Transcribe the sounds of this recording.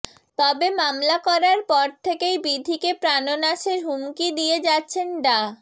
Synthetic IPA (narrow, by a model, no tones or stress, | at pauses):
t̪ɔbemamlakɔɾaɾpɔɾt̪ʰekejbid̪ʱikepɾanonaʃeɾɦumkid̪ijed͡ʑatːɕʰenɖa